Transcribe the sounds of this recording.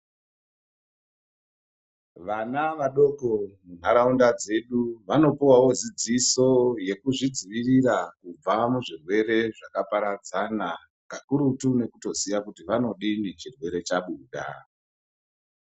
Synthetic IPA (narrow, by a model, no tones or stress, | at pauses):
ʋanaʋaɗo̞komun̤aɾaundad͡ze̞ɗuʋano̞piwawo̞d͡zid͡ziso̞je̞kuʐid͡ziʋiriɾakub͡vamuʐirwe̞re̞ʐakapaɾad͡zana | kakuɾutune̞kuto̞sijakutiʋano̞ɗinet͡ʃirwe̞ɾe̞t͡ʃaɓuːɗa̰